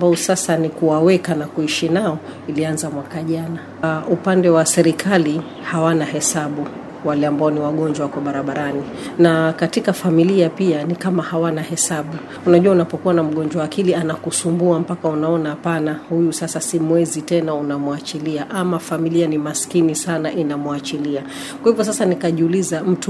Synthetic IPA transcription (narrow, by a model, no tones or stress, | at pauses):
mbaɔsasanikuwawɛkanakuiʃinaɔ | ilianzamwakaʄana | upandɛwasɛɾikʰali | hawanahɛsaɓu | walɛambaɔniwaɠɔɲd͡ʒwawakaɓaɾaɓaɾani | nakatikafamiliapianikamahawanahɛsaɓu | unaʄuwaunapɔkuwanam̩ɠɔɲd͡ʒwawːkilianakusumbuam̩pakaunaɔnaːpanahujusasasimwɛzitɛnaunamuat͡ʃiliaʔamafamilianimaskinisanaʔinamuat͡ʃilia | kwahivɔs̬asanikaʄiulizam̩tu